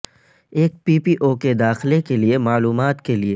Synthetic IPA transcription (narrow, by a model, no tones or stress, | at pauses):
eːk̚piːpiːʔoked̪aːxlekeliemaːluːmaːt̪kelie